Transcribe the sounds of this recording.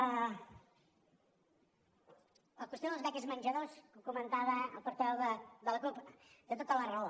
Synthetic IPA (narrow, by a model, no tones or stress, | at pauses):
ə | əlˠkwuəst̪oðəlzβɛkəzmənʲʒəðoskəkumənt̪aβəəlˠpəɾt̪ɛwðəd̪ələkupd̪ət̪ot̪ələrəo